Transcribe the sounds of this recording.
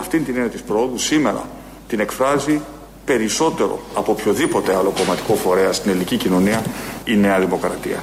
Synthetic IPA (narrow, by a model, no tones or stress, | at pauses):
ɐft̪int̪iniɐt̪ispɾoo̞ðusime̞ɾɐ̰ | t̪ine̞kfɾɐzi | pe̞ɾiso̞t̪e̞ɾo̞̰ɐpo̞pço̞ðipo̞t̪e̞ɐlo̞ko̞mɐt̪i̥ko̞fo̞ɾe̞ɐst̪inelnicicino̞niɐine̞ɐðimo̞kɾɐt̪iɐ̰